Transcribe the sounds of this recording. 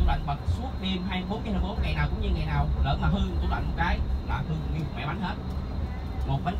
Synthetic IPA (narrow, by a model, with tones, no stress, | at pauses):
u˧˩ɗwa̰˧˨jŋ̟ɓə˨˩t̚su˦˥ət̚ti˧əmɦaː˧jɓo˨˦nki˧haː˧˩jɓo˨˦nŋa˨˩jnaː˨˩wkʊ̰˧˥ŋ͡mɲɨ˧ŋa˨˩jnaː˨˩wləː˨˦maː˨˩ɦɨ˧t̪u˧lwa̰˧˨ŋmo˨˩t̚kaː˨˦jlaː˨˩t̪ʰɨ˨˩əŋi˧˩˨mwɛ̰˧˩ɓa˨˦ŋ̟he˦˥t̚ | mo˨˩t̚və˨˦n